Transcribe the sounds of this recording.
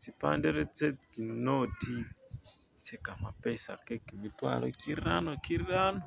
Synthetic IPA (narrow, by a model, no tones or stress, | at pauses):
t͡sipa̰ndɛɾɛt͡sɛt͡sinoti | t͡sɛkamapɛsa̰kekimitwa̰ɺɔ̰kiɾanɔkiɾianɔ